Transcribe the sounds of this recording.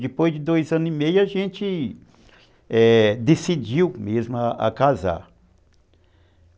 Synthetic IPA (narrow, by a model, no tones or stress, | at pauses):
d͡ʒɪpojzd͡ʒɪd̪ojzɐ̃nʊimejʊaʒẽt͡ʃɪ | ɛd̪esid͡ʒiwmezmʊaa̰kaza̰